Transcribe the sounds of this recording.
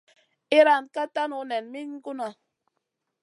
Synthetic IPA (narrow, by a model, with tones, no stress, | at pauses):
i˦ɾa˦˨nka˦ta˦nu˨˦nɛ˨nmi˦ɲ˦ku˦na˨